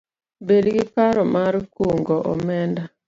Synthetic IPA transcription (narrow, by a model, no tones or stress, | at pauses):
bedɡɪpaɾɔmaɾkoŋɡɔʔɔmɛnda